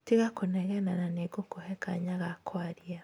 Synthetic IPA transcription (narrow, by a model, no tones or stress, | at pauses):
tiɣakonɛɣɛnananeɡokohɛkaɲaɣakwaɾia